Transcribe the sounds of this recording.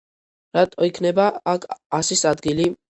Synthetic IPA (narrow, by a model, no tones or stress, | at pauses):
ɾat̪ʼɔikʰnɛbaakʰasisad̪ɡili